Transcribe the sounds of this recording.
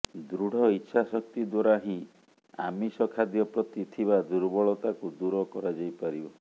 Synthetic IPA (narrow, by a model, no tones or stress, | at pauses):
d̪ɾuɽ̤ɔitːʃʰasɔk̚t̪id̪waɾaɦĩ | a̰misɔkʰad̪jɔpɾɔt̪it̪ʰiβad̪uɾbɔɭɔt̪akud̪uɾɔkɔɾad͡ʒajpaɾibɔ